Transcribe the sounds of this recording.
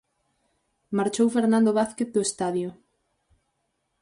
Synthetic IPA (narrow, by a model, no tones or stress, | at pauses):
maɾt͡ʃowfeɾnãnd̪oβaθkeθ̚d̪oest̪aðjʊ